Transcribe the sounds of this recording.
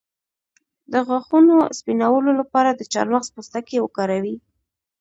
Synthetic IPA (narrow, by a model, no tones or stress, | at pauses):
d̪əɣwaxunospinawəlolapɑɾad̪ət͡ʃɑ̰ɾmaxzpust̪akewəkɑɾawi